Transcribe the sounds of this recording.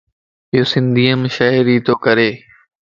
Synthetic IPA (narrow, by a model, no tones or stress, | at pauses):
ɪjoːsɪ̃nd̪ʱiːəmʃaɪɾiːt̪oːkəɾeː